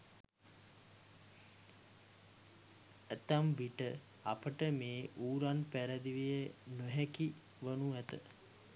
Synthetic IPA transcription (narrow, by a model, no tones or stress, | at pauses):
æt̪ambiʈə | apəʈəmeːʔuːɾanpæɾəd̪iʋijənoɦæki | ʋənuæt̪ə